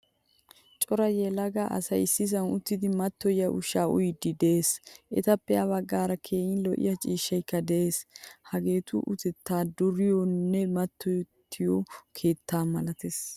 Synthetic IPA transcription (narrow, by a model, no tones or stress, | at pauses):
t͡ʃʼɔɾɐjɛlɐɡaʔɐ̰sɐjɪsːɪs̬ɐnʊt̪ːɪd̪ɪmɐt̪ːɔjɐʔʊʃːaːʊ̰jd̪ɪd̪eeːsʔɛt̪ɐpːɛɐβɐɡːaːɾɐkʰeːjɪnlɔʔɪ̰jɐt͡ʃʼiːʃːɐjkːɐd̪ɛeːshɐɡe̞ːt̪ʊ̰ʔʊt̪ɛt̪ːaːd̪ʊɾɪjonːɛmɐt̪ːɔjt̪ʰːɪjokʰe̞ːt̪ːaːmɐlɐt̪es